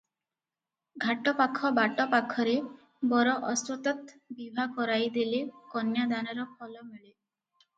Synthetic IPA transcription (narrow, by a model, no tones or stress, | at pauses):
ɡʱaʈɔpakʰːɔbaʈɔpakʰːɔɾe | bɔɾɔʔɔsɔt̪ɔt̪bibʱakɔɾajd̪ilekɔnjad̪anɔɾɔpʰɔlɔmeɭe